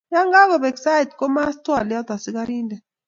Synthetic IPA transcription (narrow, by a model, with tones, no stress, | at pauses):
ja˦ŋɡa˦k̬ɔ˨bɛ˨ksa˦i˨tkɔ˦ma˦stwa˨lja˦d̪a˨si˦k̬a˦ɾiː˦ndɛ˨